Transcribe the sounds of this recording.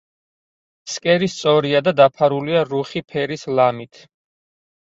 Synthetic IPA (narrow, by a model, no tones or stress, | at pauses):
skʼɛɾist̪sʼɔɾiad̪ad̪apʰaɾuliaɾuχipʰɛɾislamit̪ʰ